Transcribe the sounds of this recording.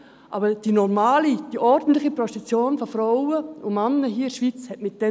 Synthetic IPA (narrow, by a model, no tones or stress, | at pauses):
ʔɑbəd̥inɔɾmɑːlid̥iʔɔɾdən̩tlɪχipɾɔʃtit͡sjoːnfɔfɾaʊəumɑnːəɦiːəɪʃʋit͡shɛtmɪt̚d̥ɛ